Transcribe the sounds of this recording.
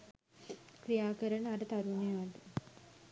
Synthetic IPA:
krijaːkəɾənəaɾət̪aɾunejʋad̪u

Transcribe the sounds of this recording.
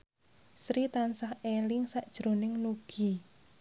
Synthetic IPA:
sɾit̪ansahelɪŋsaʔd̥ʒ̥ɾo̤nɪŋnuɡ̥i

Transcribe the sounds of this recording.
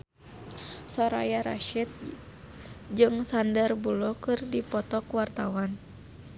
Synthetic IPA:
sɔɾa̰jaɾa̰ʃit̪̚ | d͡ʒɨŋsandərbulɔkɨrdipɔt̪ɔkuwart̪awan

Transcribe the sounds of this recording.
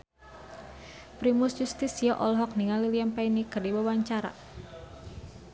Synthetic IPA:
pɾimʊsjust̪isijɔʔɔlɦɔk̚niŋaliliampainikɨrdibawaɲt͡ʃaɾa̰

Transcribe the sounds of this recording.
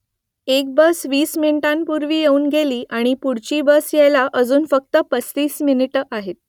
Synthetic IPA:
ek̚bəsʋiːsminiʈãnpuɾʋiːjeuːnɡʱeliːʔaɽ̃ipuɽ̤t͡ɕiːbəsjejlaʔəd͡zuːnfək̚t̪əpət͡st̪iːsminiʈʔaɦet̪̚

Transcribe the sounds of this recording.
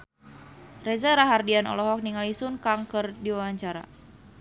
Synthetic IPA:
rɛzaɾaɦardianɔ̰lɔɦɔk̚niŋalisunkaŋkɨrdiwawaɲt͡ʃaɾa̰

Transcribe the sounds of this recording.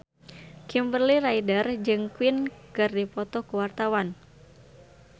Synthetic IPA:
kimbərliɾaidərd͡ʒɨŋkwɪnkɨrdipɔt̪ɔkuwart̪awan

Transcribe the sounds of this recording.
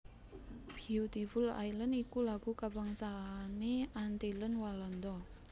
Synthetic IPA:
b̥iut̪ifula̰jlənikulaɡ̥ukabaŋsaːneant̪ilənwalɔnd̪ɔ

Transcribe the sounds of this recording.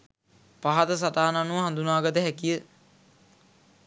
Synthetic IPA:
paɦat̪əs̬at̪aːnanuʋəɦand̪unaːɡət̪əɦækijə

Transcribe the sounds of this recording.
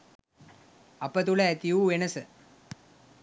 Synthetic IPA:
ɐpət̪uləæt̪ijuʋenɐsə

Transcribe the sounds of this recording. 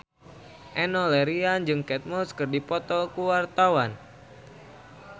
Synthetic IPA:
ʔɛnɔlɛɾiand͡ʒɨŋkɛt̪̚mɔskɨrdipɔt̪ɔkuwart̪awan

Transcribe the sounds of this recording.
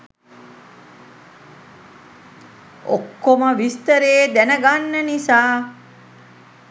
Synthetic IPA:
okːoməʋist̪əɾeːd̪ænəɡanːənisaː

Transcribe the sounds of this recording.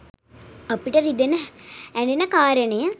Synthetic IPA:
ɐpːiʈːɐɾid̪enɐɛɳɖenːɐkaːɾɐnɐjɐ̃

